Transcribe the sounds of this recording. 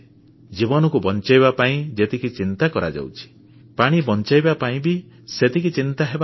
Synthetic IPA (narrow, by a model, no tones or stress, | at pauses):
d͡ʒibɔnɔkubɔnt͡ʃajβapaĩd͡ʒet̪ikit͡ʃint̪akɔɾa̰d͡ʒa̰wt͡ʃʰi̥ | paɽ̃ibɔnt͡ʃajbapaĩbi | set̪ik̬it͡ʃint̪aɦeba